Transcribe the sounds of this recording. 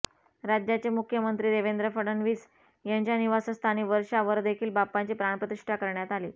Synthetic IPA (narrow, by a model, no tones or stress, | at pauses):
ɾad͡ʑjat͡ɕemukʰjəmənt̪ɾiːɾeʋend̪ɾəfəɽənʋiːt͡s | jaɲt͡ɕjaniʋasəst̪ʰañiːʋəɾʂaʋəɾd̪ekʰiːlbapːaɲt͡ɕiːpɾaɳ̃pɾət̪iʂʈʰakəɾɳjat̪aliː